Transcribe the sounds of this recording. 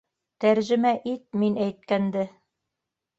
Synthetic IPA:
t̪æɾʒɘ̆mæʔit̪̚minæjt̪̚kænd̪ɘ

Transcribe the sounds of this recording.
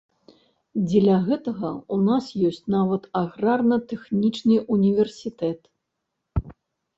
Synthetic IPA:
d͡zʲɛlʲaɣɛt̪ɐɣɐunasjɔsʲt͡sʲnavɐt̪aɣrarnɐt̪ɛxnʲit͡ʂnɨunʲivʲɛrsʲit̪ɛt̪

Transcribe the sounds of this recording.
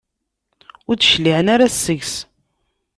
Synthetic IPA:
ʊɾt͡sːʃliʕənaɾasːəʝs

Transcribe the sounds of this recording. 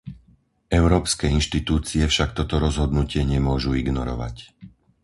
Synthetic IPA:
ɛʊɾɔːpskɛːinʃt̪it̪uːt͡siɛfʃakt̪ɔt̪ɔɾɔzɦɔd̪nucɪɛɲɛmʊɔʒuiɡnɔɾɔ̰ʋa̰c

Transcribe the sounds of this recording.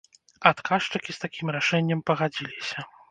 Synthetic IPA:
at̪kaʂt͡ʂɐkʲist̪akʲimɾaʂɛnʲːɐmpɐɣad͡zʲilʲisʲɐ

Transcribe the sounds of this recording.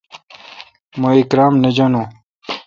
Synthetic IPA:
mɐikɾaːmnɐd͡ʑanõ

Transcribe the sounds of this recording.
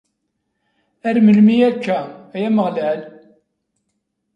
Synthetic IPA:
æɾməlmiækːææjæməʁlæl

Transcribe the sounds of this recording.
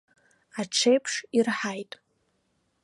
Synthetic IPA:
aʈ͡ʂʰejpʰʂirħajtʼ

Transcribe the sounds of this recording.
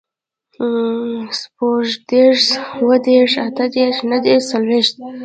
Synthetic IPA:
spoʒd̪eʂwəd̪eʂat̪ad̪eʂnad̪eʂsalweʃt̪̚

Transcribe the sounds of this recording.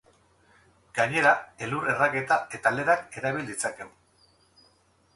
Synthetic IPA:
ɡ̥aɲe̞ɾae̞luɾe̞rake̞t̪ae̞t̪ale̞ɾake̞ɾaβild̪it͡sake̞u

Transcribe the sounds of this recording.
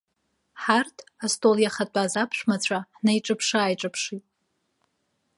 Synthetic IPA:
ħartʰastʼoljaχat͡pʷʼazapʰʃᶣʷmat͡ɕʷʰaħnajʈ͡ʂʼɨpʰʂaaːjʈ͡ʂʼɨpʰʂitʼ

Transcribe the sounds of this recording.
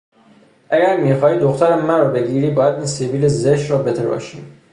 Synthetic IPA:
ʔæɡæɾmiːxɒːiːd̪oxt̪ʰæɾæmːæɾɒːbe̞ɡiːɾiːbɒːjæd̪iːnseviːlezeʃɾɒːbet̪ʰebɒ̰ːʃiːm

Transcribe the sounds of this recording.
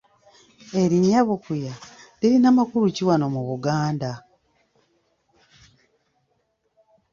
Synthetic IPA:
e̞ɾiɲːaβukujaliɾinamakuɾuciwanomuβuɡaːnda

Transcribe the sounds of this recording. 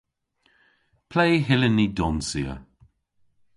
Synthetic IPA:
pʰlejɦɪlənːidɔnsiə̰

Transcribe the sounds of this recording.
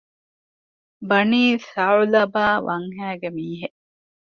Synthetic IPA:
bɐniːsɐulɐbaːʋʔɐŋɦæːɡemiːɦeʔ

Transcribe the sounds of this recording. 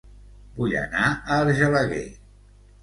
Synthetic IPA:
buʎə̰naəːɾʒələɣḛ

